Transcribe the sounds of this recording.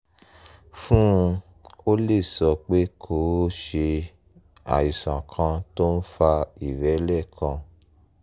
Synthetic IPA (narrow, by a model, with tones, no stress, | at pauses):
fũ˦˧ | o˦le˦˨sɔ˧k͡pe˦kʰo˨˦ʃe˧ | a̰˨i˨sã˨kʰã˧to˦n̩˦fa˧i˨ɾɛ˨˦lɛ˦˨kʰã˧